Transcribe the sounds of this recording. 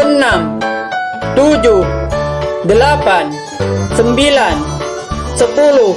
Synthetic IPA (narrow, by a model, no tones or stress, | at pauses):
ənam | t̪ud͡ʒuh | dəlapan | səmbilan | səpulʊ